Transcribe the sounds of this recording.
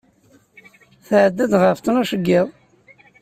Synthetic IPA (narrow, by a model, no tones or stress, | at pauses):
θʕəd̪ːæd̪ʁəft̪ənuʃəɡːɪðˤ